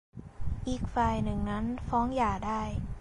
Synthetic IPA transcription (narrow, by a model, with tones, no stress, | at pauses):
ʔiː˨˩k̚faː˨˩jnɯ˨˩ŋna˦˥nfɔː˦˥ŋjaː˨˩daː˥˩j